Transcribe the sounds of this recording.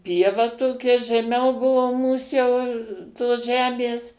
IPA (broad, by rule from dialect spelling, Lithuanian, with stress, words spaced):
ˈpʲiɛʋɐ ˈtoːkʲɛ ʒʲɛˈmʲɛʊ ˈbʊʋoː ˈmuːs jɛʊ toːs ˈʒʲæːmʲeːs